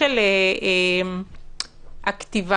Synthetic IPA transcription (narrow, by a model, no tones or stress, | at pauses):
ele | ʔakt̪iva